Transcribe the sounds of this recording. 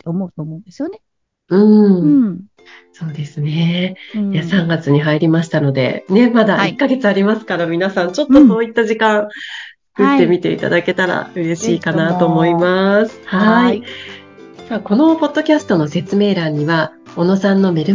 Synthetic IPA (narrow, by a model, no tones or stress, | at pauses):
eomoɯt̪omõnd̪esjone | ɯ̟̃ː | so̞ːd̪e̞sɨne̞jasãŋɡat͡sɨɲ̟iɦaiɾʲimaɕi̥t̪ano̞d̪e̞̰ne̞mad̪aikːaɡe̞t͡sɨaɾʲimasɨ̥kaɾamʲinasãɲt͡ɕo̞t̪ːo̞so̞ːit̪ːaʑikãɰ̃t͡sɨ̥kɯ̟t̪ːe̞mʲit̪e̞̰ḭt̪a̰d̪ake̞t̪aɾa̰ɯ̟ɾe̞ɕiːkanat̪o̞ːmo̞imasɨ̥haii | mako̞no̞po̞d̪ːo̞kʲasɨ̥t̪o̞no̞se̞t͡sɨme̞ːɾãɲ̟ːiβa | o̞no̞sãnːo̞me̞ɾɯ